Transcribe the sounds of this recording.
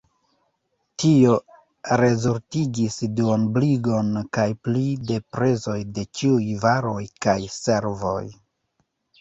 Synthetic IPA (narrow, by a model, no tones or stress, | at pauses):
tio̞ | ɾe̞zoɾtiɡisduonbliɡo̞nkajplide̞pɾe̞zo̞jde̞t͡ʃiujvaɾo̞jkajse̞ɾvo̞̰j